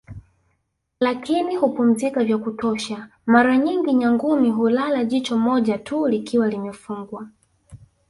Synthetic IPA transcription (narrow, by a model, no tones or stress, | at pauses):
lakʰinihupum̩zikavjakutɔʃa | maɾaɲiŋɡiɲaŋɡumiɦulalaʄit͡ʃɔmɔʄatʰulikʰiwalimɛfuŋɡwa